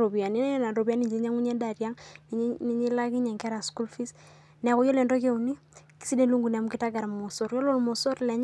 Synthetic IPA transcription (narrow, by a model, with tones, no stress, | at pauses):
ɾo˨bi˨a˨ni˦n˦na˨ɾo˨bi˨a˦ni˦˨ɲd͡ʒe˨ɲa˦ŋu˦ɲɛ˦da˨ɾja˦ŋn˦ɲ˦ni˦ɲi˦la˦ki˦ɲa˨ŋka˦ɾa˨sku˦lfi˦s | nɛ˨ku˨˦jo˦le˨ndo˦ke˦u˨ni˦ | ki̥˦si˦de˦nlu˦ŋɡu˨nɛ˨mu˦ki˦ta˦ɡa˨ɾa˨mo˨so˨ɾjo˦lo˦˨lmo˨so˦ɾlɛ˨ɲ˦